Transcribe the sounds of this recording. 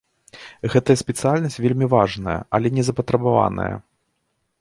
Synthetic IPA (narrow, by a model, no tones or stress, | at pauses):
ɣɛt̪ɐjɐsʲpʲɛt̪sɨjalʲnɐsʲt͡sʲvʲelʲmʲivaʐnɐjɐ̰ʔɐlʲɛnʲɛzɐpɐt̪ɾɐbava̰nɐ̰jɐ̰